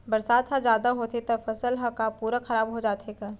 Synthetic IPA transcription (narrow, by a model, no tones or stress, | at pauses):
bɐɾsaːd̪ɦãd͡ʒjaːd̪aɦot̪ʰet̪ɐfʰɐsəlɦɐkapuːɾakʰɐɾaːbɦod͡ʒaːt̪ekaː